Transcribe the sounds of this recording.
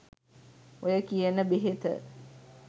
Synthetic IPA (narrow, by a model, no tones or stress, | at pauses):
ojəkijənəbeɦet̪ə̰